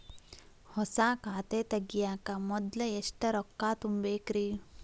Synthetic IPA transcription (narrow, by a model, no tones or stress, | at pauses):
hɔsaːkaːt̪eːt̪ɐɡijaːkɐmɔd̪lɐeʂʈɐɾɔkːaːt̪umbeːkɾi